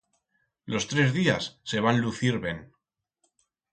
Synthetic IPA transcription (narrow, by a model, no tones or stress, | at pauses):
lo̞st̪ɾe̞zðiasːe̞βanluθiɾβe̞n